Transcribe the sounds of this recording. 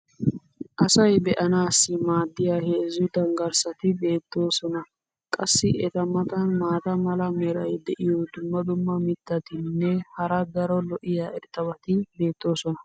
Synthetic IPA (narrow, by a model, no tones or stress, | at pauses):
ʔɐsɐjbɛʔɐnaːsːɪmaːd̪ːɪjaheːzʊd̪ɐŋɡɐɾsɐt̪ɪbe̞ːt̪ːo̞ːsɔnɐ | kʼɐsːɪʔɛt̪ɐmɐt̪ɐnmaːt̪ɐmɐlɐmɛɾɐjd̪ɛʔɪjɔd̪ʊmːɐd̪ʊmːɐmɪt̪ːɐt̪ɪnːɛhɐɾɐɡ̪ɐɾɔlɔʔɪjaːɛɾt̪ʼːɐbɐt̪ɪbe̞ːt̪ʼːo̞ːsɔnɐ